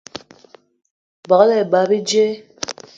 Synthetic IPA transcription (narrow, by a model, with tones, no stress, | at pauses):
bɔ˨˦lɛ˨ba˨˦bi˦d͡ʒe˦